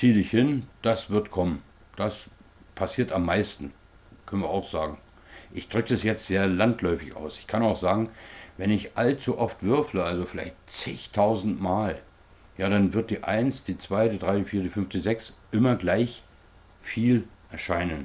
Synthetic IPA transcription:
t͡siːəɪçhɪnd̥asv̥ɪɐtkʰɔmən | d̥as | pʰasiːɐtamːaɪstn̩ | kʰœnənviɐa̰ʊxz̥aːɡŋ̩ | ʔɪçd̥ʁʏkəɛsjɛt͡stz̥eːɐlantʰlɔʏfɪça̰ʊsɪ̥çkʰanaʊxz̥aːɡŋ̩vɛnɪçʔalt͡suʔɔftv̥ʏɐfləalzofɪlaɪçtt͡sɪçtʰaʊzn̩tmaːl | jaːɾanvɪɐt̚d̥iːʔa̰ɪnsd̥iːt͡sv̥aɪdidʁaɪdifiːɐdiːfʏnfd̥iːzɛksʔɪmɐɡlaɪç | fiːlʔɛɐʃaɪnən

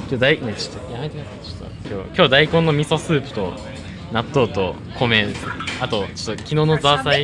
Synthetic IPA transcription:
kʲo̞ːd̪ainet͡ɕo̥t̪ːojamait̪easko̥t̪ːo̰kʲoːkʲo̞ːd̪aikõnːo̞mʲiso̞sɨːpɯ̟̥t̪o̞̰ | nat̪ːo̞ːt̪o̞ | kʰo̞mesat̪o̞t͡ɕo̥t̪ːokʲino̞ːno̞zasai

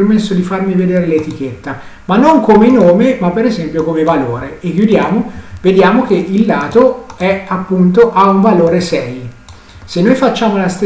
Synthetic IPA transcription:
rmesːod̪ifarmived̪eːɾelet̪ik̟et̪ːa | manːoŋkomenoːmemapːeɾezɛmpjokomevaloːɾeekːjud̪jaːmoved̪jaːmok̟eʔilːaːt̪oɛapːunt̪oʔauɱvaloːɾesɛj | senːojfat͡ʃːaːmolast̪e

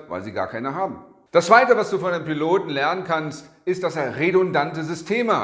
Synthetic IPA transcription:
va̰ɪlziːɡa̰ːɐkʰaɪnəɦaːbm̩ | d̥ast͡sv̥aɪtəvasd̥uːfɔndempiloːtn̩lɛɐnənkʰanstɪstd̥aseːɐʁedʊndantəzʏstʰeːmə̰

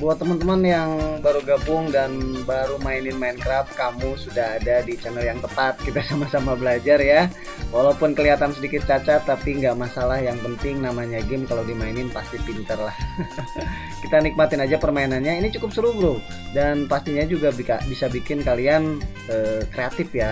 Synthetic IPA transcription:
buat̪əmənt̪əmanjaŋbaɾuɡabʊŋdanbaɾumainɪnmaɪnkɾap̚kamusudaɦadadit͡ʃɛnəljaŋt̪əpat̪̚kit̪asamasamabəlad͡ʒarja | walaupʊnkəliɦat̪ansədikɪt̪̚t͡ʃat͡ʃat̪ːapiŋɡaʔmasalahjaŋpənt̪ɪŋnamaɲaɡɪmkalawdimainɪnpast̪ipint̪ərlah | kit̪anik̚mat̪ɪnad͡ʒapərmainanɲainit͡ʃukʊp̚səɾuɡɾʊ | danpast̪iɲad͡ʒuɡabikabisabikɪnkalian | əːkɾeat̪ɪfja

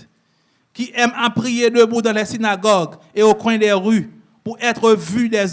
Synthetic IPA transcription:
kiʔɛmapʁijed̪øbud̪ɑ̃lɛsinaɡɔɡ | eokwɛ̃d̪ɛʁy | puʁʔɛt̪ʁəvyd̪ɛz

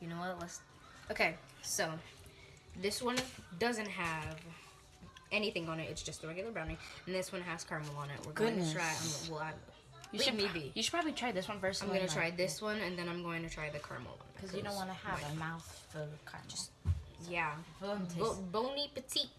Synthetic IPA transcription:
jɨnoʊwʌlɛs | ʔoʊkʰeɪ | soʊ | ðɪswʌ̃ndʌzɨ̃nt̚ɦɨv | ʔɛniθɪ̃ŋə̃nɨʔɨtsd̥ʒ̥ʌstðəɹɛɡjl̩ˠə˞bɹãʊ̃nɪ̃ŋ̃n̩ðɪswʌ̃nɨz̥kʰɑɹml̩ˠə̃nɪ̰ʔ̚wɪ̰ɹɡoʊɪ̃ŋtʰɨtʰɹ̥aɪã̰ɪ̃mlaɪkwlˠa | jɨlimibijɨʃɨd̥̚pʰɹɑbəblitʰɹ̥aɪðɪswʌ̃nvɜ˞sɪ̃mɡʌ̃nɨtʰɹ̥aɪðɪswʌ̃nɨ̃nðɨ̃ɾ̃ãɪ̃mɡoʊɪ̃ŋtʰɨtʰɹ̥aɪðɨkʰɑ̰ɹm̰l̩ˠə̰̃nkʰʌzzɨdõʊ̃nwɑnəəaəmaʊθfəkʰɑ̰̃nt͡ʃɨsjæ | ɛbõʊ̃nipɨtʰik̚

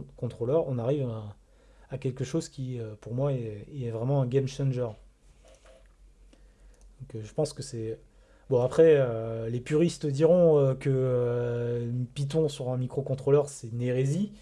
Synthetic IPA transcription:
kɔ̃t̪χolœʁɔ̃naʁiv | akʲɛlkəʃozkʲiøpuʁmwaɛːvʁɛmɑ̃ɛ̃ɡʲɛmʃɛ̃nʒœʁ | d̪̥ɔ̃køʒəpɑ̃skəsɛ | bɔ̃apχɛølepyʁist̪əd̪iʁɔ̃økəø | upit̪̬ɔ̃syʁɛ̃mikχokɔ̃t̪χolœʁsɛneʁezi

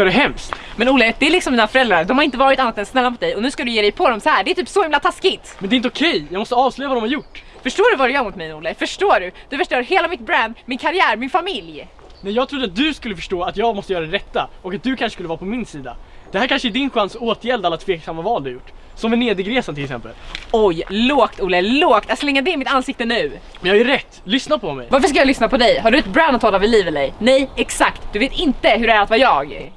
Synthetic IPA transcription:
ɖɛɦɛmst̪mɛnʊːlːəd̪ɛælɪksɔmːiːnafœɾɛld̪ɾaɾd̪ɔmhaɾɪnt̪əvɑːɾɪt̪anːat̪ɛnsnɛlːamʊt̪̚d̪ɛjɔnʉ̟ːskad̪ɵjeːd̪ɛjpʰɔd̪ɔmsɔhæːɖɛæt̪ʰyːpsɔhɪmlat̪ʰaskɪt̪mɛnd̪ɛɪnt̪əʊkʰɛjjɑːmɔst̪əɑːvslœːjavad̪ɔmhaɾjʊʈː | fœʂʈoːɖɵvaɾɛjœːɾmʊt̪mɛjnuːlːəfœʂʈoːɖɵd̪̥ɵfœʂʈoːɾheːlamɪt̪̚bɾænd̪mɪnkʰaɾɪæːɾmɪnfamɪlj | næjɑːɡ̚t̪ʰɾʊd̪ɾat̪̚d̪ɵskɵlːəfœ̥ʂʈoːat̪jɑːɡmɔst̪əjœːɾad̪ɛɾɛt̪ːaɔkat̪̚d̪ɵkʰanʂə̥skɵləvɑːɾapʰɔmɪnsiːd̪a̰d̪̥ɛhæːɾkʰanʂəɛd̪ɪnɧansoːt̪jɛld̪alːat̪ʰveːksamːavɑːld̪ɵhajʊʈː | sɔmvɛneːd̪ɪɡɾeːsanʰɪlɛksɛ̰mpə̰lɔjloːkt̪uːlɛloːkt̪at̪slɛŋːad̪ɛmɪt̪ansɪk̚t̪ənʉ̟ː | mɛnjɑhajœɾɛt̪ːlʏsnad̪pʰɔmɛ̰jvaɾfəʂkajɑlʏsnapʰɔd̪ɛjɦaɖɵɛt̪̚bɾand̪at̪ʰːɑːlavɪliːvɛlɛjnɛjɛksakt̪d̪ɵveːt̪ɪnt̪əɦɵɖɛæɾat̪vajɑːɡ

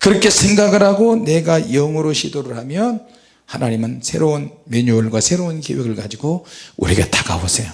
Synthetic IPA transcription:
kɯɾʌkʰe̞sʰe̞ŋɡaɡɯɾhaɡone̞ɡajʌŋɯɾoɕʰidoɾɯɭɦamjʌn | hanaɲimɯnsʰe̞̰ɾounmjʌɲuːɭɡwasʰe̞ɾounçeweɡɯɭɡad͡ʑiɡouɾieɡetaɡa̰bosʰejo

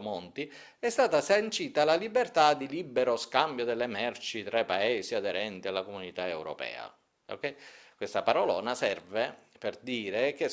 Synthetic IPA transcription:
mont̪i | ɛst̪aːt̪asant͡ʃiːt̪alalibert̪ad̪ilibːeɾoskambjod̪elːemɛrt͡ʃit̪ɾajpːaeːsiad̪eɾɛnt̪ialːakomunit̪aewɾo̰pɛ̰ːa̰ | o̰kɛjkwest̪apaɾɔlɔ̰ːnasɛrveperd̪iːɾek̟e

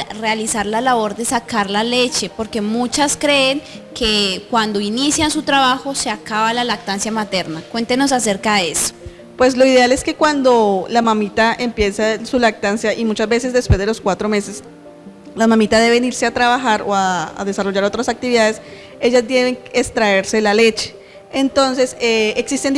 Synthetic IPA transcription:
re̞alisaɾlalaβo̞ɾd̪e̞sakaɾlale̞t͡ʃe̞po̞ɾke̞mut͡ʃaskɾe̞ːŋ | ke̞kwand̪o̞inisjansut̪ɾaβaxo̞se̞akaβalalak̚t̪ansjamat̪e̞ɾnakwe̞nt̪e̞no̞s̬as̬e̞ɾkaðeeso̥ | pwe̞slo̞iðeale̞ske̞kwand̪o̞lamamit̪aʔe̞mpje̞sasulak̚t̪ansjaʔimut͡ʃazbe̞se̞zd̪e̞spwe̞zd̪elo̞skwat̪ɾo̞me̞se̞s | lamãmit̪aðe̞βeniɾse̞at̪ɾaβaxaɾo̞̰a̰ːðe̞saro̞ʝaɾo̞t̪ɾasak̚t̪iβiðaðe̞s | e̞ʝazd̪e̞βe̞ŋest̪ɾae̞ɾse̞lale̞t͡ʃe̥ | ent̪o̞nse̞seeksist̪e̞nd̪

